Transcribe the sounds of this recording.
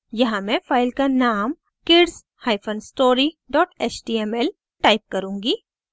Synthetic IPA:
jɐɦãmɛ̃faːɪlkanaːm | kɪɖz | haːɪfʰənsʈoːɾiɖɔːʈeːt͡ʃɖiːɛmɛl | ʈaːɪp̚kɐɾũːŋɡiː

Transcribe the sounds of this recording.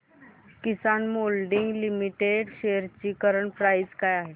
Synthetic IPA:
kisanmolɖiŋɡlimiʈeɖɕeəɾt͡ɕiːkəɾəɳpɾajd͡zkajaɦe

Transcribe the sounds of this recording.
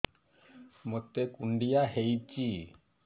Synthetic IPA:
mot̪ekuɳɖijaɦejt͡ɕi

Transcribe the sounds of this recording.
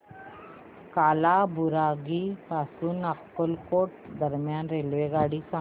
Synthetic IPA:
kalabuɾaɡipasunəkːəlkoʈ̚d̪əɾmjanɾelʋeɡaɽisã

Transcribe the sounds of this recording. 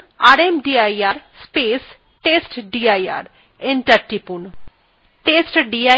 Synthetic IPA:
aɾemɖiajaɾspes | ʈesʈɖiaja̰ɾ | enʈɐɾʈipun | ʈesʈɖia

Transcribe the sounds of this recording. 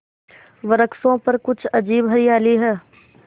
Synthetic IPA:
ʋəɾəksõpɐɾkʊt͡ʃʰɐd͡ʒiːbɦɐɾiaːliɦɛː

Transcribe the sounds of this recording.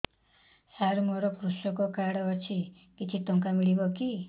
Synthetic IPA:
saɾmoɾɔkɾusɔkɔkaɽɔt͡ʃʰi | kit͡ʃʰit̪ɔŋkamiɭibɔki

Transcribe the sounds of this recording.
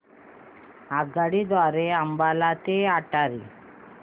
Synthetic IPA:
aɡaɽid̪aɾeambalat̪eaʈaɾi

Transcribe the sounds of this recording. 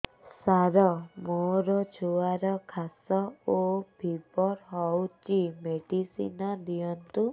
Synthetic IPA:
saɾɔmoɾɔt͡ʃʰuaɾɔkʰasɔobʱibɔɾɦɔwt͡ʃimeɖisḭnɔd̪ijɔnt̪u

